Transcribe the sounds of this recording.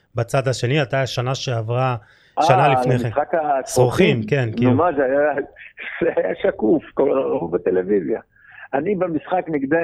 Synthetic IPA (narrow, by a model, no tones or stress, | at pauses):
bat͡sad̪aʃe̞niat̪aaʃanaʃeavʁa | ʃaanalifnemiesχakasʁoχimke̞nmiumaʃaja | z̥eajaʃakufkollaʁaubet̪elevizja | anibemisχakniɡd̪a